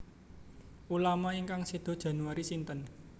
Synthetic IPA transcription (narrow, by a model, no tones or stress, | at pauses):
ulamaiŋkaŋsid̪̥ɔ̤d̥ʒ̥a̤nuwaɾisint̪ən